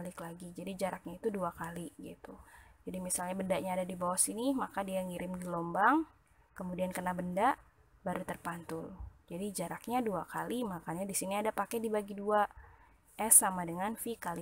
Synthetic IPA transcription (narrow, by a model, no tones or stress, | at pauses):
alɪklaɡid͡ʒadid͡ʒaɾʔak̚ɲait̪uduakaliɡḭt̪ud͡ʒadimisalɲabəndaʔɲaːdadibawasinimakadiaŋiɾɪmdilɔmbaŋ | kəmudiankənabəndaʔ | baɾut̪ərpant̪ʊld͡ʒadid͡ʒaɾak̚ɲaduakalimakaɲadisiniadapakɛdibaɡidua | ʔɛsamadəŋanfikali